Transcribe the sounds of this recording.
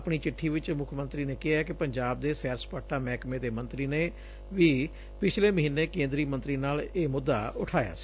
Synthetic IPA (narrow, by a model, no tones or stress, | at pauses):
pɽ̃iːt͡ʃɪʈʰːiːʋɪt͡ʃmʊkʰmə̃nt̪ɾiːneːkɪɦɛːkɪpəɲd͡ʒaːb̚d̪eːsɛːɾspaːʈːaːmɛːkmeːd̪eːmənt̪ɾiːneː | ʋiː | pɪt͡ʃʰleːməɦiːnːeːkẽːnd̪ɾiːmənt̪ɾiːnaːleːmʊd̪ːa̰ːʊʈʰaːja̰ːsi̥